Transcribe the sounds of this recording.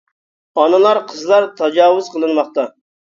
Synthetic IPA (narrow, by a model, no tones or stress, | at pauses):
ɑnɨlˠɑɾqʰəzlˠɑɾt̪ʰɑd͡ʒɑːwʊz̥qʰəlˠɨnmɑχt̪ɑ